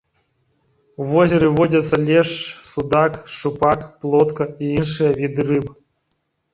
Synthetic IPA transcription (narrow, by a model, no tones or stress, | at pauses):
uvozʲeɾɨvodʲɐt̪sɐlʲeʂsud̪akʂupakplˠot̪kəiinʂɨjəvʲid̪ɨrɨp